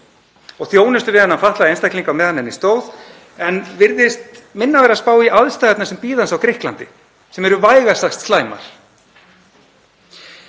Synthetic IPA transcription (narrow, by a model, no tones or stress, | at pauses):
ɔɣθjoːwnɪst̪ʏvɪðanːanfaht̪laðejnst̪ahkliŋkawmɛðhanːɛnist̪oːwð | ɛnvɪɾðɪst̪mɪnːavɛːɾaspaːwiʔaðst̪ajɣat̪nasɛmpiːðansawkɾɪhklant̪ɪ | sɛmɛɾʏvaːjɣasaxst̪slaːjma̰ɾ̥